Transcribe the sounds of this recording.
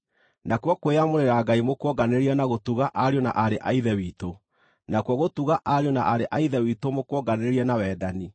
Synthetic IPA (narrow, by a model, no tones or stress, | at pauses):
nakwɔkweamoɾeɾaɡaimokwɔɡaneɾiɛnaɣotuɣaʔaɾiona̰ʔaɾeʔaiðɛwiːto | nakwɔɣotuɣaʔaɾiɔnaʔaɾeʔaiðɛwiːtomokwɔɡaneɾiɛnawɛːdani